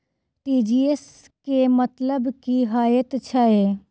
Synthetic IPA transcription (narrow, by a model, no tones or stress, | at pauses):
ʈiːd͡ʒiːes | kemət̪ləbkiɦaːjət̪t͡ʃʰae